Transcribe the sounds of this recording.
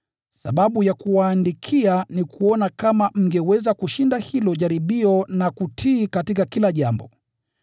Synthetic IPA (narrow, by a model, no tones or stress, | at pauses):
sa̰ɓaɓujakuwaːndikʰianikʰuɔnakamam̩ɡɛwɛzakuʃindahilɔʄaɾiɓiɔnakutʰiːkatikakilaʄambɔ